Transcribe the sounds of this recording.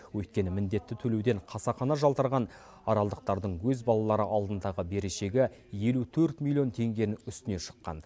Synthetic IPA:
wɵjt̪̚kʲe̞nɪmɪnd̪e̞t̪ːɪt̪ʰɵlewd̪e̞ɴqʰɑsɑχɑnɑʒɑlˠt̪əɾʁɑn | ɑɾɑlˠd̪əq̚t̪ɑɾd̪əɴwɵzbɑlˠɑlˠɑɾəʔɑlˠd̪ənd̪ɑʁəbe̞ɾeʃe̞ɡʲɪje̞lut̪ʰɵɾt̪milʲˠːio̞nt̪ʰe̞ŋɡʲe̞ɾɪnʏst̪ɪne̞ʃə̥qːɑ̰n

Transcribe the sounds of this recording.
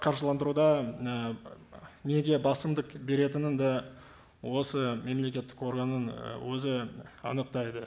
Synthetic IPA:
qʰɑɾʒəlˠɑnd̪əɾud̪ɑə | ne̞ɡʲe̞bɑsəmd̪əqbe̞ɾe̞t̪ɪnɪnd̪ɑ | wo̞səme̞mle̞kʲe̞t̪ːɪ̥ko̞ɾɡanənwɵzɪɑ̰nəq̚t̪ɑjd̪ə

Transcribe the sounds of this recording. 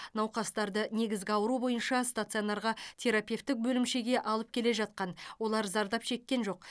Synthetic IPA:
nɑwqɑst̪ɑɾd̪əne̞ɡʲɪzɡʲɪɑwəɾubo̞jənʃɑst̪at̪sɨonɑɾʁɑt̪ʲʰe̞ɾapʲe̞ft̪ːɪk̚bɵlɪmʃe̞ɡʲe̞ʔɑlˠəp̚kʲʰe̞le̞ʒɑt̪̚qɑnwo̞lˠɑɾzɑɾd̪ɑpʃe̞kʲːe̞nʒo̞q̚

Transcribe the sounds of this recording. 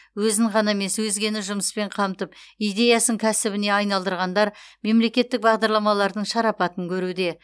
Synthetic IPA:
wɵzɪŋʁɑnɑme̞swɵzɡʲe̞nɪʒʊməspe̞ɴqʰɑmt̪əpijd̪e̞jɑsəŋkʲʰæsɪbɪne̞ɑjnɑlˠd̪əɾʁɑnd̪ɑɾme̞mle̞kʲe̞t̪ːɪk̚bɑʁd̪ɑɾlˠɑmɑlˠɑɾd̪əɴʃɑɾɑpɑt̪əŋkʲʰɵɾud̪e̞

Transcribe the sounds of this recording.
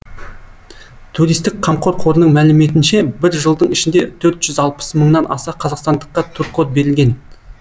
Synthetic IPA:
t̪ʰuɾijst̪ɪk̚qʰɑmqʰo̞ɾqʰo̞ɾənəɴmælɪme̞t̪̬ɪnʃe̞bɪɾʒəlˠd̪əɴɪʃɪnd̪e̞t̪ʰɵɾt̪ʒ̥ʏzɑlˠpə̥sməɴnɑnʔɑ̰sɑqʰɑzɑqst̪ɑnd̪əqːɑt̪ʰuɾqot̪̚be̞ɾɪlʲɡʲe̞n

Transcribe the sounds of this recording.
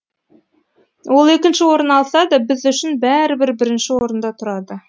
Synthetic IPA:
wo̞lˠekʲɪnʃɪwo̞ɾənɑlˠsɑd̪ɑbɪzɵʃɪnbæɾɪbɪɾbɪɾɪ̆nʃɪwo̞ɾənd̪ɑt̪ʰʊɾɑd̪ə

